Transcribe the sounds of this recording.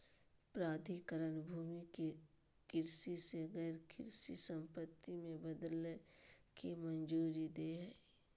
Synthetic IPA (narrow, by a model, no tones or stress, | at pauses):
pɾaːd̪ʱikəɾənbʱuːmike | kɪɾsiseɣɛːɾkɪɾsisə̃mpət̪ːimẽbəd̪əl | kimənd͡ʒuːɾid̪eːɦɛː